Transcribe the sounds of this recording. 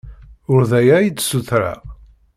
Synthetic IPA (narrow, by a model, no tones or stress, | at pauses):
ʊɾðæjæjit͡sːsuθɾa̰